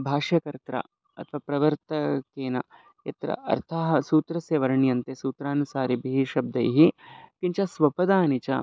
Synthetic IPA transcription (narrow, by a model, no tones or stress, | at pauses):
bʱaːʂjɐkɐɾt̪ɾɐ̰ | ɐ̰t̪ʰʋɐpɾɐʋɐɾt̪ɐkeːnɐ̰ | jɐ̰t̪ɾɐ̰ʔɐ̰ɾt̪ʰaːɦɐsuːt̪ɾɐsjɐʋɐɾɐɳjɐnt̪esuːt̪ɾaːnusaːɾibʱiɦiʃɐb̚d̪ɐ̰jɦikint͡ʃɐsʋɐpɐd̪aːnit͡ʃɐ̰